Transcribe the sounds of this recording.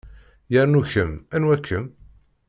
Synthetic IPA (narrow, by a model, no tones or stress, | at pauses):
jəɾnuçəmænwækʰːəm